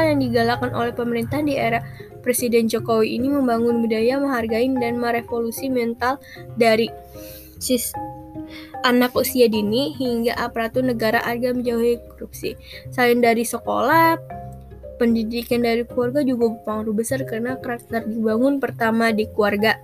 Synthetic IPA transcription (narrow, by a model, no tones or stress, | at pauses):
ajaŋdiɡalakanʔo̰lɛhpəməɾint̪ahdieɾah | pɾesidɛnd͡ʒokowiiniməmbaŋʊnbudajaməɦarɡaɪndanməɾefolusimɛnt̪al | daɾi | sis | ʔanakusiadiniɦiŋɡaʔapaɾat̪ʊnəɡaɾaʔarɡaməɲd͡ʒauhikɔɾup̚sḭ | saɪndaɾisəko̰la | pəndidikandaɾikuarɡad͡ʒuɡabəpaŋɾubəsarkərənakəɾak̚t̪ərdibaŋʊnpərt̪amadikuarɡa